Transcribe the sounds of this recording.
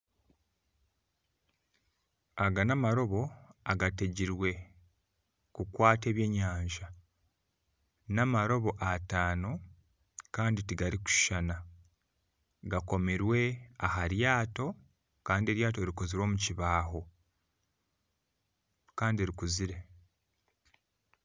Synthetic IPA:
aɡanamaɾo̞βo̞aɡate̞ɟiɾwe̞ | kukwaːte̞ːβje̞ːɲaːɲʒa | namaɾo̞βo̞ʔataːno̞ | kaːnditiɡaɾiku̥ʃi̥ʃana | ɡako̞meɾwe̞ahaɾjaːto̞ | kaːndie̞ɾjaːt̬o̞eɾiko̞ziɾwo̞ːmuciβaːɦo̞ | kaːndieɾikuziɾe̞

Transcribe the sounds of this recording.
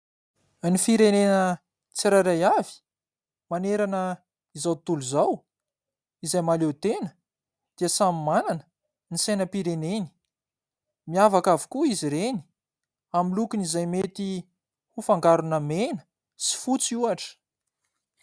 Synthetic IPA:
nifiɾenenə | t͡siɾaɾajavi̥ | maneɾanə | izawt̪uluzaw | izajmalewt̪enə̥ | d̪̥iəsamimananə̥ | nisejnəpiɾeneni̥ | miavakavi̥kuiziɾeni̥ | amilukinizajmet̪i | hufaŋɡaɾunəmenə̥ | si̥fut͡suaʈ͡ʂə̥

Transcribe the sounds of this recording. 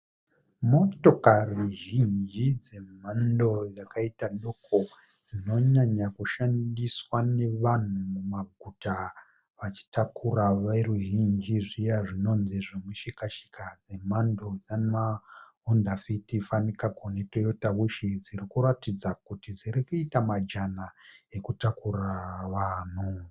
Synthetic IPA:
mo̞to̞karuʒind͡ʒid͡ze̞mando̞jakaitaɗo̞kʰo̞ | d͡zino̞ɲaɲakuʃandiswane̞ʋan̤umumaɡʱuta | ʋat͡ʃi̥takuraʋaruʒind͡ʒiʐijaʐino̞nziʐemuʃikaʃi̥kad͡ze̞mandod͡zanma | undafitifanikaɡʱonetojotaβuʃid͡ziɾikuɾatid͡zakutid͡ziɾikuitamad͡ʒanaekutakuraʋaːn̤u

